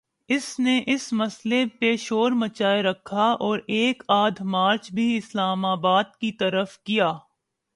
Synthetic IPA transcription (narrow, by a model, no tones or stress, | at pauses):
ɪsneʔɪsmɐslepeːʃoːɾmɐt͡ʃaːeɾɐkʰːaɔːɾeːkaːd̪ʱmaːɾt͡ʃbʱiɪslaːmaːbaːd̪̚kit̪ɐɾəfkijaː